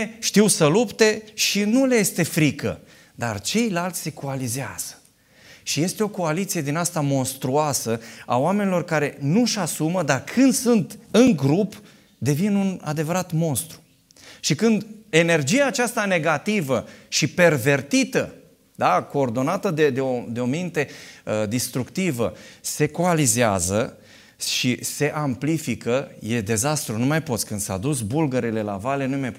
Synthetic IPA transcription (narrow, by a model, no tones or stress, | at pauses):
ʃt̪iwsəlupt̪e̞ʃinuleje̞st̪e̞fɾikə̰ | d̪a̰rt͡ʃe̞jlalt̪sʲseko̞alizeaz̥ə̥ | ʃije̞st̪e̞o̞ko̞alit̪sije̞d̪inast̪amo̞nst̪ɾuasəaoame̞nilo̞rkaɾe̞nuʃasuməd̪arkʰɨnd̪sunt̪ɨŋɡɾup | d̪e̞vinuna̰d̪e̞vəɾat̪mo̞nst̪ɾu̥ | ʃikɨnd̪e̞ne̞rd͡ʒijaːt͡ʃast̪ane̞ɡat̪ivəʃipe̞rve̞rt̪it̪ə | d̪ako̞ːrd̪o̞nat̪əd̪ed̪eod̪eo̞mint̪e̞əd̪ist̪ɾukt̪ivəse̞koalizea̰zə | ʃise̞ʔamplifikəje̞d̪e̞zast̪ɾunumajpo̞t̪sʲkɨnd̪sa̰ad̪usbulɡeɾele̞la̰vale̞numajp